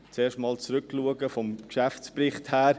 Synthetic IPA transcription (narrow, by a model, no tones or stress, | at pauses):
t͡seːʃtmɑːlt͡sɾʏkluəɡəfɔmkʃæft͡sprɪχthæːɾ